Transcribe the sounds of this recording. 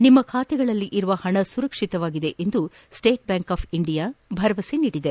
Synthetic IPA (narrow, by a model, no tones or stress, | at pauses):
nimːɐkʰaːt̪ɛɡɐɭɐlːiʔiɾuʋɐhɐɳɐsuɾɐkʂit̪ɐʋaːɡid̪e̞ʔend̪u | sʈe̞ːʈ̚bjaːŋkaːpʰiɳɖijaːbʱɐɾɐʋɐseniːɽid̪e